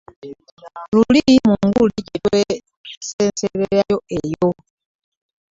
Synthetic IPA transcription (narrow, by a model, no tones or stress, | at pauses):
lulimuŋɡulicetwe | senseβeɾajoejo